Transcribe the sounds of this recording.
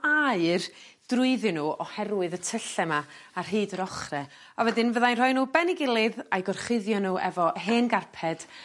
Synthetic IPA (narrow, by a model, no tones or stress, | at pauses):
aɨr | d̥rʊɨðɨnuːɔhɛrwɨðətʰəɬɛmaarɦiːdəɾɔχrɛ | ɔvɛdɪnvəðajnr̥ɔɨnuːbɛnɪɡɪlˠɪðajɡɔrχɪðjɔnuːʔɛ̰vɔɦeːnɡarpʰɛd̥